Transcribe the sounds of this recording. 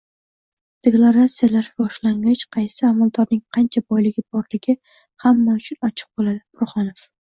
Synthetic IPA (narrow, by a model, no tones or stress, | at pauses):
d̪̥eklˠaɾat̪sijalaɾbɒʃlaŋɡʲat͡ʃqʰɑjsɪamalˠd̪ɒɾnɪŋqʰɑnt͡ʃʰabɒjlɪɡʲɪbɒɾlɪɡʲɪ | hamːaʊt͡ʃʰʊnɒt͡ʃʰɪ̥q̚bolad̪ɪbʰʊɾχɒnof